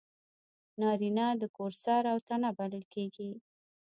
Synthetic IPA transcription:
nɑɾinɑd̪əkoɾsɑɾawt̪anabalɪlkeɡi

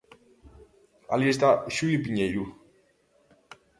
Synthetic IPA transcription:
a̰liest̪aʃuipiɲejɾu

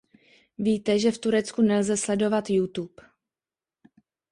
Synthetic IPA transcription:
viːt̪ɛʒɛft̪uɾɛt͡skunɛlzɛslɛdo̞vat̪jut̪up

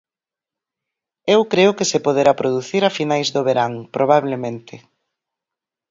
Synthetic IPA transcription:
ewkɾeʊkɪsepoð̞eɾapɾoðuθiɾafinajzðoβeɾaŋpɾʔoβ̞aβlemẽnt̪ɪ

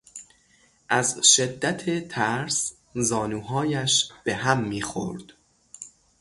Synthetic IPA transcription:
ʔæzʃed̪ːæt̪ʰet̪ʰæɾs | zɒːnuːɦɒːjæʃb̥e̞ɦæmːiːxo̰ɾd̪̥

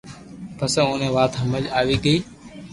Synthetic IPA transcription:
pəsə̃oːnẽːʋaːt̪ɦəməlaːʋiːɡəiː

